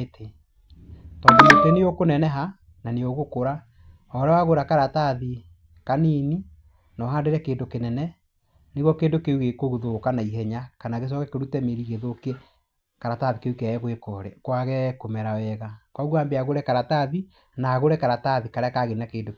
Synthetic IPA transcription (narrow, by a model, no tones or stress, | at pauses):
tʰe | tɔndoteneokonɛnɛɦa | naneoɣokoɾa | ɔɾɛwaɣoɾakaɾataði | kaniːni | nɔɦandeɾɛkeːndokenɛnɛ | neɣwɔkeːndokeuɣekoɣuðokanaiɦɛɲakanaɣes̬ɔkɛkeɾutɛmeɾiɣeðoke | kaɾataðikeukeɣwekɔɾɛ̰kwaɣɛkomɛɾawɛɣakɔɣwoaːmbeaɣoɾɛkaɾataði | naɣoɾɛkaɾataðikaɾɛakaɣeinakeːndo